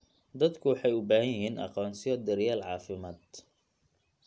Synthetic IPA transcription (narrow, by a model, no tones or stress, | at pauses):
d̪ɐd̪kʰʊwɑħɑjʊbaːhɐjɪɦiːnʔɑ̰qɔːnsɪjɔd̪ɐɾjaːlʕɑːfɪmaːd̪